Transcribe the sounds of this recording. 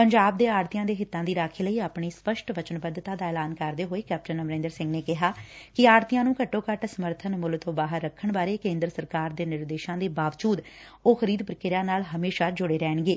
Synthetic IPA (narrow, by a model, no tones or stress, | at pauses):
pəɲd͡ʒaːb̚d̪eːaːɾt̪ijãːd̪eːɦɪt̪ːãːd̪iːɾaːkʰeːləiːaːpɳiːspəʃʈʋət͡ʃənbəd̪t̪ãːd̪aːɛːlaːnkəɾd̪eːɦoːeːkɛːp̚ʈənəmɾẽːnd̪əɾsɪ̃ŋɡneːkɪɦaːkɪaːɾt̪ijãːnũːkəʈːoːkəʈsəməɾt̪ʰənmʊlt̪õːbaːɦəɾːəkʰːəɳbaːɾeːkẽːnd̪ɾəsəɾkaːɾd̪eːnɪɾd̪eːʃãːd̪eːbaːʋd͡ʒuːd̪ | oːxəɾiːd̪pəɾəkɪɾaːnaːlɦəmeːʃaːd͡ʒʊɽeːɾɛːɳɡeː